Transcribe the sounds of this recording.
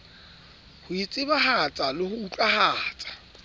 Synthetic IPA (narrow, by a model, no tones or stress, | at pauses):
hʊit͡sʼɪbaɦat͡sʼalɪhʊut͡ɬʼahaːt͡sʼḁ